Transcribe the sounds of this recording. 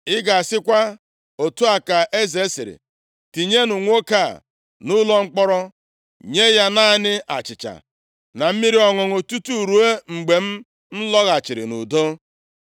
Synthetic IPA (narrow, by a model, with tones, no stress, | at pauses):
ɪ˦ɡa˨a˨sɪ˦kʷa˦ | o˨tu˦a˨ka˨ʔe˦ze˨˦si˨ɾḭ˨ | ti˨ɲe˦nu˨ŋʷ˦o˦ka̰˦˨ | nʊ˦lɔ˦ŋ͡m̩˦k͡pɔ˦ɾɔ˦ | ɲe˦ja˦na˦˨˦nɪ˦ʔa̰˨t͡ʃɪ˨t͡ʃa̰˨ | na˨m̩˦mi˦ɾi˦ɔ˨ŋɔ˨ŋʊ˨tu˦tu˦˨ɾu˨e˦ŋ͡m̩˨ɡ͡be˨m̩˦ | n̩˦lɔ˦ɣa˨t͡ʃɪ˨ɾɪ̰˨nṵ˨do˦